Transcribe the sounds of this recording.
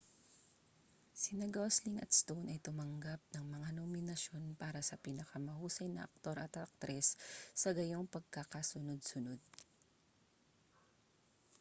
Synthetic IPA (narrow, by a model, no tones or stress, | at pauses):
sɪnɐɡosliŋɐ̰t̪̚st̪ownɐjt̪ʊmɐŋɡap̚nɐŋmɐŋanomɪnɐʃjo̞npaːɾɐsɐpinɐkɐmɐhuːsɐjnɐʔɐk̚t̪o̞ɾɐt̪ɐk̚t̪ɾʔɛsːɐɡɐjoŋpɐɡ̚kakasʊnod̪̚sʊno̞d̪̚